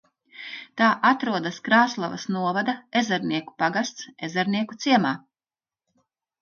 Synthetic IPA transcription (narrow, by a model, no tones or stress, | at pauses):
t̪aːʔat̪ɾuɔd̪askɾaːslˠavɐ̰snuɔvad̪aezɛɾniɛku̥paɡast̪sezɛɾniɛkut̪siɛmaː